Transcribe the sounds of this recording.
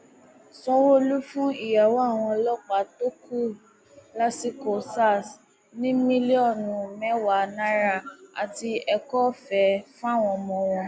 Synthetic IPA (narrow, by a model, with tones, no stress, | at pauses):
sɔ̃˧wo˦lu˦fũ˦i˦˨ja˨wa˦˨w̃ɔ̃˧lɔ˦k͡pa˨˦to˦ku˦˨ | la˦si˦ko˨sa˦˨s | nĩ˦mĩ˦li˦ɔ˦˨nũ˨mɛ˨˦wa˨nã˦ɾa˦˨a̰˨ti˧ɛ˧kɔ˦fɛ˨˦fũ˦a˦˨w̃ɔ̃˧mɔ̃˧w̃ɔ̃˧